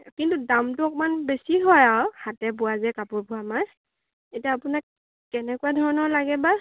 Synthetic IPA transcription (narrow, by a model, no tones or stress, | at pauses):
kintudamtʊɔkɔmanbesiɦɔjawhatɛbʊwazɛkapʊɹbʱʊamaj | etiaːpʊnak | kɛnɛkuadʱɔɹɔnɔɹlaɡɛba